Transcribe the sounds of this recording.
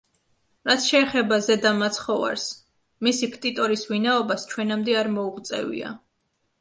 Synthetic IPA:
ɾat̪sʰʃɛːχɛbazɛd̪amat̪sʰχɔva̰ɾs | misikʰt̪ʼit̪ʼɔɾisvinaɔbast͡ʃʰwɛnamd̪ɛaɾmɔuʁt̪sʼɛ̰vḭa̰

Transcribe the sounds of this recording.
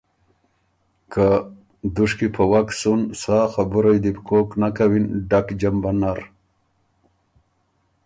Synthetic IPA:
ka | d̪uʂkipʰawak̪sunsaːxabuɾajd̪ipkoknakawinɖakd͡ʑambanaɾ

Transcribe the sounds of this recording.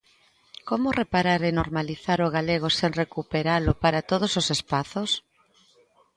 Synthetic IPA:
komʊrepaɾaɾenoɾmaliθaɾoɣ̞aleɣ̞oseŋrekupeɾalʊpaɾat̪oð̞ososespaθos

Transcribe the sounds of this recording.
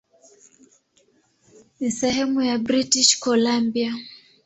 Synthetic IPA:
nisɛhɛmujabɾitiʃkɔlambia

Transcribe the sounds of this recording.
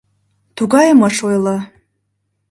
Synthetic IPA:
tʰuɡajamaʂojla

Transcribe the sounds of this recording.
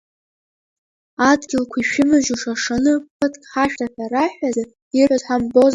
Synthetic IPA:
adɡʲɪlkʷʰiʃᶣɪmɨʒuʂaʂanɨpʰɨtʰʼkʼħaʃᶣtʰaħʲaɾaħʷᶣaza | irħʷazħʷamboz

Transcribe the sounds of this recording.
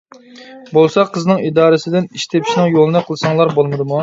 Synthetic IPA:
bolˠsɑqʰːəznɨŋid̪ɑːɾɨsɪd̪ɪniʃt̪ʰepʰi̥ʃnɪŋjolˠɨnɨqʰəlˠɨsɑŋlˠɑɾbolˠmɨd̪ɨmu

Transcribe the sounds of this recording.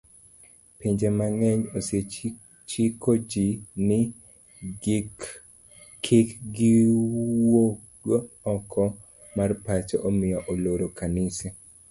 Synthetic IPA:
piɲd͡ʒemaŋɛɲose | t͡ʃikʰod͡ʒinɪ | kʰɪkɡɪwok̚dwo | ɔkʰɔ | marpat͡ʃɔʔomɪjɔʔoloɾokanɪse

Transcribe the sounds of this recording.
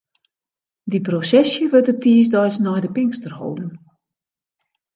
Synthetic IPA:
diprosɛsjəʋøtətʰiːsdɔjsnɔjdəpɪŋstərho̰wdən

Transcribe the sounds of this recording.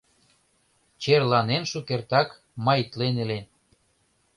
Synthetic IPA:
t͡ɕerlɑnenʃukert̪ɑk | mɑjt̪lenelen

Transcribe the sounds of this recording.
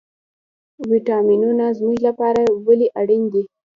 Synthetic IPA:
wiʈɑminunazmuʒlapɑɾawəliʔaɽind̪i

